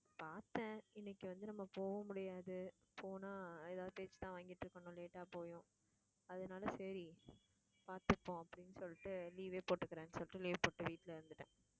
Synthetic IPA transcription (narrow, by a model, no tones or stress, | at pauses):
paːɾt̪ẽːɪnːɛkːɯʋɐnd̪ɯnɐmːɐpoːʋɐmʊɽɪjaːðɯ | pʰoːnaːeðaːʋðɯpeːt͡ʃːt̪ãːʋaːŋɡɪʈːɾɯkːɐɳʊ̃leːʈːaːpoːjʊ̃ | ɐðɐnaːlɐsɐɾi | paːɾt̪ɯpːõɐpːɐɽɪnːɯsɔlːɪʈːɯliːʋeːpoːʈːɯkːɪɾẽːnːɯsɔlːɪʈːɯliːʋpoːʈːɯʋiːʈːɪlɪɾɯnd̪ɯʈːẽː